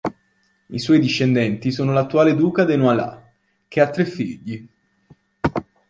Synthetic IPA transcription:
iswɔjd̪iʃːend̪ɛnt̪isoːnolat̪ːuaːled̪uːkad̪enwala̰ | k̟eat̪ːɾefːiʎːi

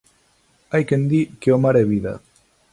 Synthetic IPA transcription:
ajkend̪ikeomaɾeβiða̰

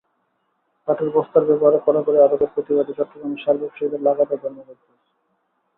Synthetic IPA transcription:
k̪aʈ̪eɾbɔst̪aɾbɛboɦaɾekɔɾakoɾead̪od̪eɾpɾot̪ibad̪it͡ɕɔt̪ːɾoɡɾamiʃaɾbokʃod̪eɾlaɡat̪ad̪ʱoɾmokokɾet͡ɕʰe̥

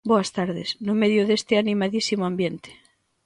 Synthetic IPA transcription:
boast̪aɾðesnomeðjoðest̪eanĩmaðisimoambjent̪e̥

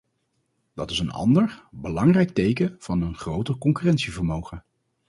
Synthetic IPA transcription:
d̥ɑtɪsənɑ̰ndəɹbəlɑŋrɛjk̚tejkəv̥ɑnənχrowtəɹkɔŋkyrɛntsivəɹmowχə

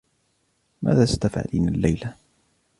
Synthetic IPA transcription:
mʔa̰ːðaːst̪afʕa̰lḭːnalːajla

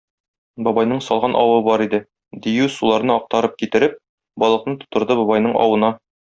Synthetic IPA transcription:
bɒbɑjnɤɴsɒlˠʁɑnʔɒwɤbɒɾid̪ɘ | d̪ijʉsulˠɑɾnɤɒq̚t̪ɑɾɤp̚kit̪ɘ̆ɾɘp̚ | bɒlˠɤ̆qnɤt̪ŏ̥t̪ŏɾd̪ɤbɒbɑjnɤɴʔɒ̰wɤ̆nɑ

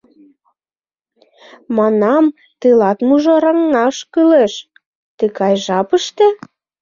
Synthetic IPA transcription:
mɑnɑm | t̪ilɑt̪muʒoɾɑŋːɑʃkyleʃ | t̪əkɑjʒɑpəʃt̪ĕ

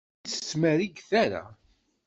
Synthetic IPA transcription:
t͡sːə̥smæɾiɡθæɾa̰

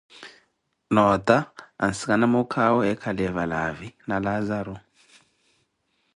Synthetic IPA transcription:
nɔtʼaa̰nsikanamɔkʰawɔɛkʰalɛvalavinalazaɾɔ

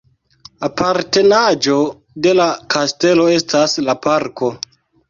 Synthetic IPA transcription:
apʰaɾte̞nad͡ʒo̞ | de̞lakʰaste̞lo̞e̞staslapaɾko̞

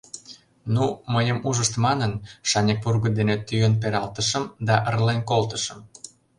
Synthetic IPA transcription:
numəjəmuʒəʃt̪mɑnənʃɑnʲek̚purɣəd̪enet̪ːyjənp̬eɾɑlt̪əʃə̆md̪ɑʔərlenkolt̪ə̆ʃə̆m

